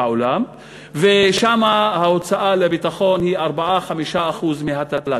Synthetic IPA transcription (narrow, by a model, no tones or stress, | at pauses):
aolam | veʃamahaot͡saʔalebitaχo̞nhiaʁbaʔaχamiʃaːχuzmiɦat̪atla